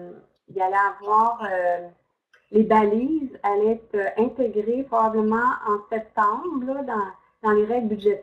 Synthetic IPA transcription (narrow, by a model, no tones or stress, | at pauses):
ilalɛavwɑːʁø | lebalizalɛt̪øʔɛ̃t̪eɡʁepχɔbabləmɑ̃ɑ̃sɛp̚t̪ɑ̃bʁlɔd̪ɑ̃ | d̪̥ɑ̃leʁɛɡlbyd̪ʒɛt̪